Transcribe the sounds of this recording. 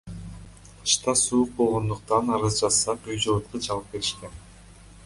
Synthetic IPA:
ɯ̥ʃt̪ɑsuːuq̚bo̞lˠʁo̞nd̪uq̚t̪ɑnɑɾɯzd͡ʒɑsɑqyjd͡ʒolˠɯt̪̚qɯt͡ʃɑlˠɯp̚ke̞ɾiʃken

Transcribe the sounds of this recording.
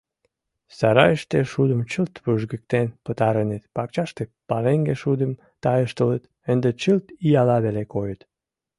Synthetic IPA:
sɑɾɑ̰jəʃt̪eʃud̪əmt͡ɕəlt̪βəʒɣə̆k̚t̪enpət̪ɑɾənet̪pɑk̚t͡ɕɑʃt̪epɑleŋɡeʃud̪əm | t̪ɑjəʃt̪ələt̪ | ənd̪et͡ɕəlt̪iɑlɑβelekojət̪

